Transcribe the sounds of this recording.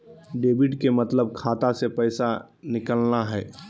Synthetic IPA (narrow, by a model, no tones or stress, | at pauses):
ɖeːbɪʈkemɐt̪ləb̚kʰaːt̪asepɛɪsa | nɪkəlnaɦɛː